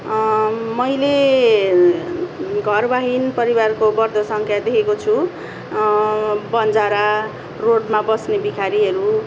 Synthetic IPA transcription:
mʌjle | ɡʱʌrbaɦinpʌɾibarkobʌrd̪ʱʌsʌŋkʰjad̪ekʰekot͡sʰu | bʌnd͡zaɾa | roɖmabʌsnebikʰaɾiɦʌɾu

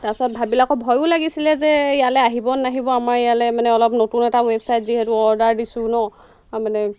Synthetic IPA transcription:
tasɔt̚bʱabilakɔbʱɔjʊlaɡisilɛzɛijalɛaɦibɔnːaɦibɔamaɹɛjalɛmanɛɔlɔpnotunɛtawebsajtziɦɛtuɔɹdaɹdisʊnɔ | manɛ

